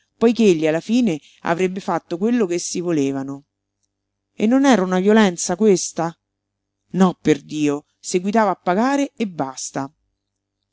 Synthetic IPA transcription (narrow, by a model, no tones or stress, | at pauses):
pɔjkeeʎːialːafiːne | a̰vɾebːefat̪ːokwelːokesːivoleːvano | enːonɛːɾaunavjolɛnt̪sakwest̪a | nɔpːerd̪iːo | seɡwit̪aːvaːpːaɡaːɾeebːast̪a